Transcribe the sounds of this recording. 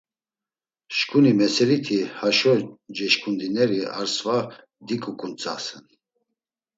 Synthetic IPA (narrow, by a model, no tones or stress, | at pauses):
ʃkʼunimɛsɛlit̪ʰihaʃɔd͡ʒɛʃkʼund̪inɛɾia̰ɾsva | d̪ikʼukʼunt͡sʼa̰sɛn